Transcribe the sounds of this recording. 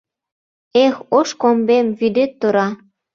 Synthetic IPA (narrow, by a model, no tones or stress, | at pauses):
exoʃkombemvyd̪et̪ːuɾɑ